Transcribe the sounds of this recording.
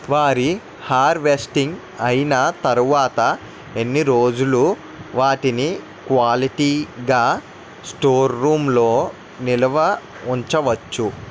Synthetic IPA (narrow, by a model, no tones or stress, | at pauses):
ʋaːɾi | haːɾʋesʈiŋɡ | ɐjinɐt̪ɐɾuʋaːt̪ɐ | enːiɾo̞ːd͡ʒulu | ʋaːʈini | kʋaːliʈiːɡaː | sʈoːɾːuːmlo̞ː | nilɐʋɐ | uɲt͡ʃɐʋɐt͡ʃːu